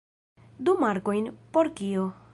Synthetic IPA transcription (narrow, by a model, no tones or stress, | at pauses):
d̪umaɾkoinpɔɽkijo